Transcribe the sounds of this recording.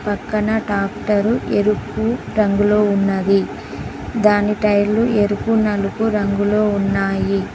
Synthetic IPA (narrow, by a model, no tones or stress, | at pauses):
pɐkːɐnɐʈaːpʈɐɾuʔeɾukuɾɐŋɡulo̞ːunːɐd̪i | d̪aːniʈɐjlueɾukunɐlukuɾɐŋɡulo̞ːunːaːji